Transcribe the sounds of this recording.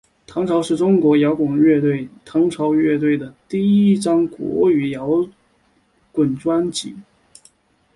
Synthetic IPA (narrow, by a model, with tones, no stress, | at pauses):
t̪ʰɑ˧˥ŋʈ͡ʂʰɑ˧˥ʊʂɻ̩˥˩ʈ͡ʂʊ˥ŋkwɔ˧˥jɑ˧˥ʊkʊ˨˩ŋɥɛ˥˧t̪we˥˩ɪt̪ʰɑ˧˥ŋʈ͡ʂʰɑ˧˥ʊɥɛ˥˧t̪̬we˥˩ɪd̪ə˩t̪i˥˩i˥˩ʈ͡ʂɑ˥ŋkwɔ̰˧˥y˨˩jɑ˧˥ʊ | kwə˨˩nʈ͡ʂwa˥nt͡ɕḭ˨˩˦